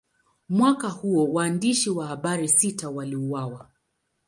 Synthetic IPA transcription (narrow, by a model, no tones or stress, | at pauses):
mwakahuɔwaːndiʃiwahaɓaɾisitawaliuwawa